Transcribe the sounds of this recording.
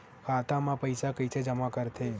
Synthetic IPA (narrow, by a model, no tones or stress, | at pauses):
kʰaːt̪amãpəjsakəjt͡ʃʰed͡ʒəmakəɾt̪ʰe